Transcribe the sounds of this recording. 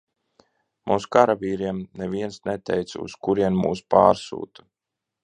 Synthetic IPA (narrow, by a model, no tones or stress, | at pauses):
muːskaɾaviːɾiɛmnɛviɛnsnɛt̪ɛjt̪sṵskuɾiɛnmṵːspa̰ːɾsṵːt̪u̥